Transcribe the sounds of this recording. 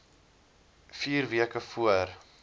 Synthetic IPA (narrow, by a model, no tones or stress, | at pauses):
fiːrviəkəfuər